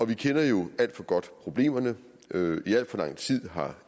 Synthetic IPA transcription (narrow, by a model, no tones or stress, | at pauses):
ɒ̽ʋikʰenɐjo̝æl̰d̥fɒ̽ɡ̥ɒ̽d̥pʰʁo̝b̥le̝̰ːmɐnə | øiæl̰d̥fɒlɑ̈ŋ̰t͡sʰið̞̰ˠɦɑ̈